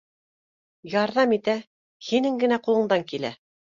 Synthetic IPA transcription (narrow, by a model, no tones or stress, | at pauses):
jɑɾðɑmit̪æ | hinɘŋɡɘ̆næqulˠɤ̆ɴd̪ɑŋkilæ̰